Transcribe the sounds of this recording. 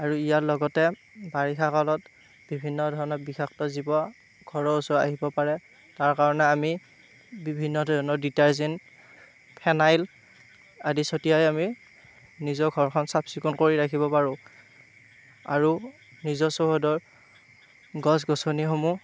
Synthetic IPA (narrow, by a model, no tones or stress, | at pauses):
aɹuijatlɔɡɔtɛ | baɹixakɔlɔt | b̥ibʱinːɔdʱɔɹɔnɔtbixaktɔzibɔ | ɡʱɔɹɔusɔa̰ɦibɔpaɹɛ | taɹkaɹɔnɛami | bibʱinːɔdʱɔɔnɔditaɹzin | pʰɛnajl | adisotijajami | nizɔɹɡʱɔɹkʰɔnsapsikunkoɹiɹakʰibɔpaɹʊ̃ | a̰ɹu | nizɔsoɦodɔɹ | ɡɔs̬ɡɔsonixomu